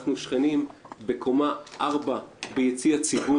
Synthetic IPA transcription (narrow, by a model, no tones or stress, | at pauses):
χnuʃχenimbe̞kʰomaʔaʁbabejet͡siat͡sibu